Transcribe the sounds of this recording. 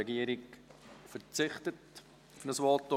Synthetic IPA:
ɛɡiːəɾɪkfət͡sɪχtət | ʊfnəsʋɔltːɔ

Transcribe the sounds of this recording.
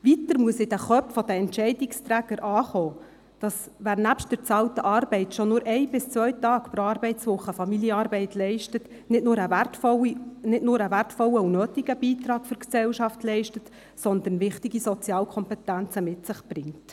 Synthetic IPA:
ʋitəɾmuəsɪd̥æχœpfɔd̥̪əɛntʃɛɪdɪkstɾæːɡ̥əɾʔɑːχɔː | d̥ɑsʋæːɾnæpʃtdəɾt͡sɑltəʔɑrbɛɪtʃɔnʊːɾʔɛɪbɪst͡sʋœʏtɑːkpɾoɑɾbɛɪtsʋʊχːəfɑmiljəɑɾbɛɪtlɛɪʃtət | nɪtnʊːɾəʋætfɔinɪtnʊɾəʋærtfɔləunøːtiɡ̥əb̥iːtɾɑːkfʏɾksɛwʃɑftlɛɪʃtət | sɔnd̪ənʋɪχtiɡisɔt͡siɑːlkʰɔmpɛtænt͡səmɪtsɪχb̥rɪŋt

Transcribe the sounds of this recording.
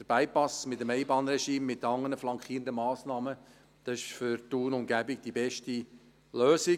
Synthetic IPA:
d̥əɾb̥æɪpɑsmɪtəmɛɪbɑːnɾɛʃiːmːɪtːɑŋːənəflɑŋkχiːəndəmɑːsnɑːmə | d̥ɑsɪʃfʏɾtuːnʊmɡæbiɡd̥ibɛʃti | løːsi

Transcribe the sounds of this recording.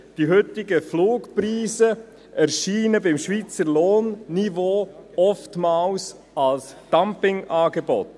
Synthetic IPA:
d̥iɦʏtɪɡəfluːkpɾiːzə | ʔɛɾʃiːnəbɪmʃviːt͡səɾloːnːivoːɔftmɑːls | ɑlsd̥ampɪŋʔɑːɡebɔ̰t

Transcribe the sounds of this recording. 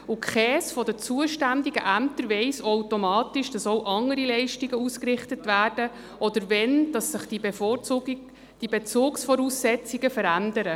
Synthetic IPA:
ʊkχɛːsfɔdət͡suəʃtændiɡəʔæmtəɾʋɛɪsowtomɑːtɪʃd̥ɑsowʔɑŋəɾilɛɪʃtiɡəuskrɪχtətʋæːrd̥ə | ʔɔd̪əɾvɛnd̥ɑsːəχd̥ibef | d̥ibɛt͡sʊːksfɔɾuːsːɛt͡siɡəfəɾændəɾə

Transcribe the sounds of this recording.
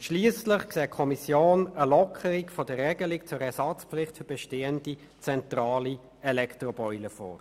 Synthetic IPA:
ʃliːəsləχksɛːt̚kʰɔmisjoːnəlɔkʰəɾikfɔdəʁːɛːɡəlikt͡sʊɾɛsɑt͡spflɪχtfybɛʃteːəndi | t͡sɛntrɑːli | ɛlɛktrɔbɔʏləfɔ̰ːɾ

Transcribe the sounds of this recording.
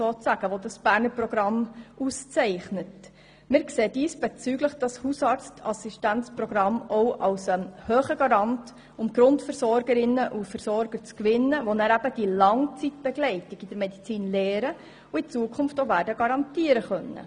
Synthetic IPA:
soːt͡sæɡ̥əʋodɑsb̥æːɾnəprɔɡ̥ɾɑmust͡sɛɪχnət | mɪɾkseːdiːsb̥et͡syːɡləχd̥ɑshusɑːɾt͡stʰɑ̰siʃtænt͡sprɔɡ̥ɾɑmɔʊʔɑlsɛmhøːχəɡɑɾɑnt | ʊmɡ̥ɾʊntfəɾsɔɾɡəɾɪnːəʔufəɾsɔɾɡ̥əɾt͡skʋɪnːəʋonæːɾæb̥əd̥ilɑŋt͡sitb̥ɛɡlɛɪtɪɡidəɾmɛdit͡siːnlɛːɾə | uɪt͡suəkʰʊnftovæːɾdəɡɑɾɑntiːəɾəχœnːə̰

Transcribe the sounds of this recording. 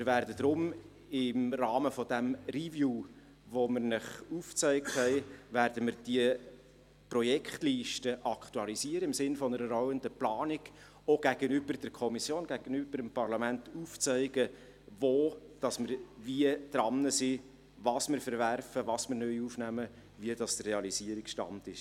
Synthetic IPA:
mɪɾvæːɾdəd̥̪ɾʊm | ɪmrɑːməfɔd̥̪æmrivjuː | ʋoməɾnɪχuːft͡sɛɪk̚thɛɪʋæɾdəmɪɾd̥iə | prɔjɛkχtliːʃtəʔɑkχt̪uɑlisiəɾəɪmsɪnfɔnəɾəɾɔwənd̪əplɑːniɡ̥ | oɡ̥æɡ̥ənʏb̥ərd̥əɾkʰɔmisjoːnɡ̥æɡənyb̥əɾəmpɑɾlɑmæntuːft͡sɛɪɡə | ʋoːd̥ɑsməɾviəd̪̥ɾɑnːəsi | vɑsmɪɾfəɾværfəʋɑsmɪɾnœjufnæmə | viədɑst̪reɑlisiəɾikʃtɑ̰ntɪʃ

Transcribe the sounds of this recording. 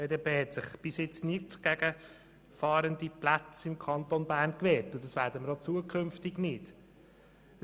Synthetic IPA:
eːdepeːhɛtsɪχb̥ɪsjɪt͡snɪtɡ̥æɡə | fɑːɾənd̪iplæt͡sɪmkʰɑnt̪onbæːrnkʋɛːɾtʊdɑsʋæːɾd̥əməɾot͡suəkʰʏmftɪɡnɪd̥

